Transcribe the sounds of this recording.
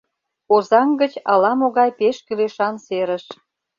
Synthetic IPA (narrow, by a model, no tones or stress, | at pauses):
ozɑŋɡət͡ɕɑ̰lɑmoɣɑjpeʃkyleʃɑnseɾəʃ